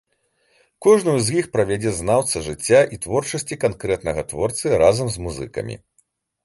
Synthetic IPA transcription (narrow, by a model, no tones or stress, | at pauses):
kɔʐnujuzʲjixpɾɐvʲad͡zʲɛznawt̪sɐʐɨt͡sʲːaʔit̪vɔrt͡ʂɐsʲt͡sʲikankɾɛt̪nɐɣɐt̪vɔrt̪sɨɾazɐmzmuzɨ̰kɐ̰mʲḭ